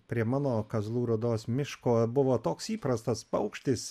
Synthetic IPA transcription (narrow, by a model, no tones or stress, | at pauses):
pʲɾʲiɛmɑːnoːkɐzlˠuːɾɐd̪oːsmʲɪʃkoːbʊʋoːt̪oːksiːpɾɐst̪ɐspɐʊkʃʲt̪ʲɪs